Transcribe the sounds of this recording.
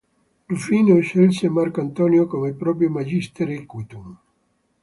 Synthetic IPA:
lufinoʃelsemarkoant̪ɔːnjokomepɾɔːp̬ɾjomad͡ʒist̪eɾikwit̪um

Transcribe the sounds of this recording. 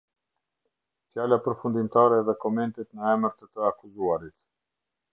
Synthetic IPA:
t͡sjalapəɾfund̪imt̪aɾɛðɛkɔmɛnt̪ɛt̪nəɛməɾt̪ət̪əakuzuaɾit̪

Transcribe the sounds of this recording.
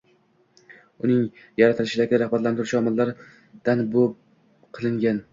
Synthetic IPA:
ʊnɪŋ | jaɾat̪ʰɪlɪʃɪd̪aɡʲɪd̪aɾahbat̪lant̪ɪɾɪʃɒmɪlːaɾ | d̪̥anbop | qʰɨlˠɪŋɡʲan

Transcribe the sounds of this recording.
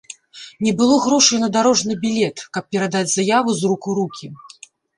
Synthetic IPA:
nʲɛbɨlˠɔɣɾɔʂɐjnɐd̪aɾɔʐnɨbʲilʲɛt̪kɐp̚pʲɛɾad̪ad͡zʲzajavɨzrukuɾukʲi

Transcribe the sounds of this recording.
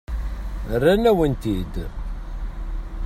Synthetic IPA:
rːænæwənt̪id̪

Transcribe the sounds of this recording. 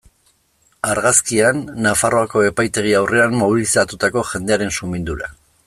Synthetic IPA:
aɾɣaskianːafaro̞ako̞e̞pajt̪e̞ɣ̞iawre̞anmo̞β̞ilisat̪ut̪ako̞ʝe̞nd̪e̞aɾe̞nsumind̪uɾa

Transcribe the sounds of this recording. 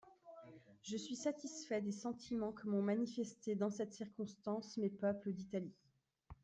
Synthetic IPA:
ʒəsɥisat̪isfɛd̪esɑ̃t̪ʰimɑ̃kəmɔ̃manifɛst̪ed̪ɑ̃sɛt̪siʁkɔ̃st̪ɑ̃smepœpləd̪it̪ali

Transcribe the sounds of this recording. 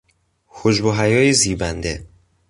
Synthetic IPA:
hʰod͡ʒboɦæjɒːjeziːbænd̪e̞

